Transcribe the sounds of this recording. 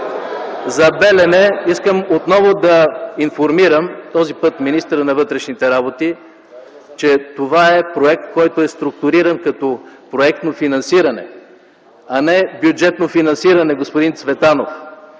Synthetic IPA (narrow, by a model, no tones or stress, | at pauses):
zɐbɛlɛnɛiskəmot̪nɔvod̪ɐinfoɾmiɾəmt̪ɔzipɤt̪minist̪əɾənɐvɤt̪ɾɛʃnit̪ɛɾabot̪i | t͡ʃɛt̪ovaɛpɾoɛk̚t̪̚kɔjt̪oɛst̪ɾʊk̚t̪ʊɾiɾɐnkɐt̪ɔpɾoɛk̚t̪nofinɐnsiɾɐnɛ̰ | ɐnɛbjud͡ʒɛt̪nofinɐnsiɾɐnɛɡospʊd̪int̪svɛt̪anof